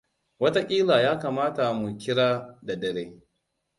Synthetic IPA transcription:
wɐ˦ta˦kʲʼiː˦laː˨jaː˦kaː˨maː˦ta˨mu˨kʲɪ˦ɽaː˦da˨dɐ˨ɽeː˦

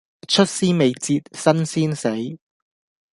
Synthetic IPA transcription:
t͡ʃʰɵ˥t̚siː˥me˨jt͡siː˧t̚sɐ˥nsiː˥nse˨˥j

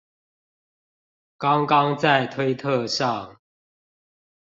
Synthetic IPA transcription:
kɑ˦ŋkɑ˦ŋt͡sa˥˨ɪt̪ʰwe˦ɪt̪ʰə˥˨ʂɑ˥˨ŋ

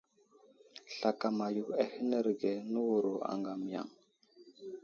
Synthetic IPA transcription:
ɬa˨ka˨ma˨ju˨a˨hi˦nə˦ɾɡe˨nu˦wu˨ɾo˨a̰˨ŋɡa˨m˨ja̰˨ŋ

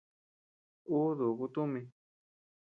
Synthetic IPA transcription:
u˦ðu˨ku˧t̪u˦mĩ˧

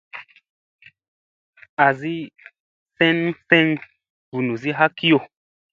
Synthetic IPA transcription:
a˨zi˦ | fɛ̃˦nfɛ̃˦ŋ | b̥u˨nu˨zi˦ɦa˦ki˦jo˦˨

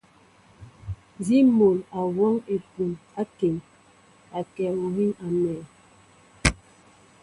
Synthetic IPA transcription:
zi˦mo˨la˨wɔ˦ŋe˨pu˨na˦ke˨m | a˨kɛ˨o˨hi˦ŋa˨mɛː˨

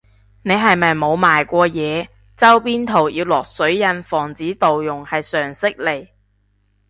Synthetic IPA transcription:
ne˨˧jɦɐ˨jmɐ˨jmo˨˧wmaː˨jkʷɔː˧jɛː˨˧ | t͡sɐ˥wpiː˥nt̪ʰo˨˩wjiː˧wlɔː˨k̚sɵ˨˥ɥjɐ˧nfɔː˨˩ŋt͡siː˨˥t̪o˨wjʊ˨˩ŋhɐ˨jsœː˨˩ŋsɪ˥k̚le˨˩j

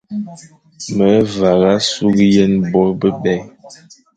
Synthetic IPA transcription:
mə˨˦va˨ɣa˦su˦ɡje˦nbɔ˦bə˦bɛ˦j

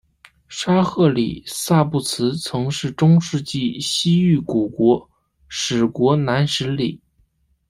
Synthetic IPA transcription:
ʂa˥xɤ˥˩lḭ˨˩sa˥˧pu˥˩t͡sʰɹ̩˧˥t͡sʰɤ˧˥ŋʂɻ̩˥˩ʈ͡ʂʊ˥ŋʂɻ̩˥˧t͡ɕi˥˩ɕi˥y˥˩ku˨˩kwɔ˧˥ | ʂɻ̩˨˩kwɔ˧˥na˧˥nʂɻ̩˧˥li˨˩˦

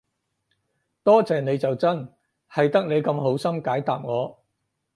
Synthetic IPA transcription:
t̪ɔː˥t͡sɛː˨˩ne˨˧jt͡sɐ˨wt͡sɐ˥n | hɐ˨jt̪ɐ˥k̚ne˨˧jkɐ˧mɦo˨˥wsɐ˥mkaː˨˥jt̪aː˨p̚ŋɔː˨˧

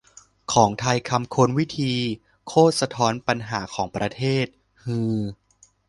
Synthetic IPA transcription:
kʰɔː˩˦ŋt̪ʰa˧jkʰa˧mkʰo˧nwi˦˥t̪ʰiː˧ | kʰoː˥˩t̪̚sa˧t̪ʰɔː˦˥npa˧nɦaː˩˦kʰɔː˩˦ŋpɾa˧t̪ʰeː˥˩t̪̚ | hɯː˧

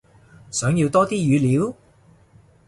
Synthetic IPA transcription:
sœː˨˥ŋji˧wt̪ɔː˥t̪iː˥jyː˨˧liː˨˥w

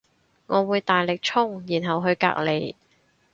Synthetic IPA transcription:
ŋɔː˨˧wuː˨˧jt̪aː˨jlɪ˨k̚t͡ʃʰʊ˥ŋjiː˨˩nɦɐ˨wɦɵ˧ɥka̰ː˧˥k̚le˨˧j

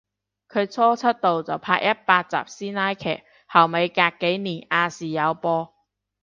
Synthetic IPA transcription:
kʰɵ˨˧ɥt͡sʰɔː˥t͡sʰɐ˥t̚t̪o˨wt͡sɐ˨wpʰaː˧k̚jɐ˥t̚paː˧t̚t͡sa̰ː˨˩p̚siː˥naː˥jkʰɛ̰ː˨˩k̚ | hɐ˨˩wme˨˧jkaː˧kːe˨˥jniː˨˩naː˧siː˨˩jɐ˨˧wpɔː˧

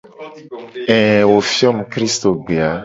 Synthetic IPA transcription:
ɛ̃˨wo˨fi˦ɔ˦mũ˨kɾi˦st̪o˨ɡ͡be˨a˨˦

